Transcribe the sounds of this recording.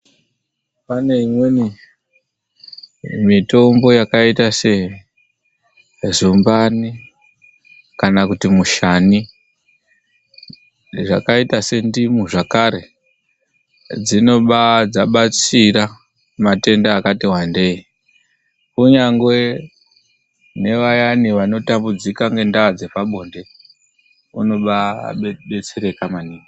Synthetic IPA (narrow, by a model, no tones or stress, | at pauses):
pane̞imweni | mito̞mbo̞jakaitase̞ | zumbani | kanakutimuʃani | ʐa̰kaitase̞ndimuʐakaɾe̞ | d͡zino̞ɓad͡zaɓat͡siɾa | mate̞ndaːkatiwande̞i | kuɲaŋɡwe̞ | ne̞ʋajaniʋano̞tambud͡zikaŋɡe̞ndaad͡ze̞paɓo̞nde̞ | ṵno̞ɓa̰ɓe̞t͡seɾe̞kamaniːŋi